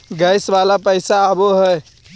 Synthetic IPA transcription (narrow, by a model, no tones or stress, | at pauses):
ɡəjsbalapəɪsaəboɦəj